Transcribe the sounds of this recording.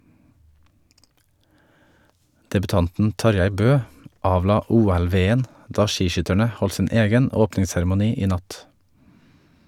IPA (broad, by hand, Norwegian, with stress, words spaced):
dɛbʉˈtɑntn̩ ˈtɑɾjæɪ ˈbøː ˈɑːʋlɑː ˈuːɛlˌʋeːən ˈdɑː ˈʃiːˌʃʏtæɳə ˈhɔl ˈsɪn ˈeːɡən ˈoːpnɪŋsæɾmʊˌniː ˈiː ˈnɑt